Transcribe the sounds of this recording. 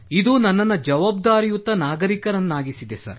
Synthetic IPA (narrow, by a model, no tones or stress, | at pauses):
id̪uːnɐnːɐnːɐd͡ʒɐʋaːb̚d̪aːɾijut̪ːɐnaːɡɐɾikɐɾɐnːaːɡisid̪esɐ̰ɾ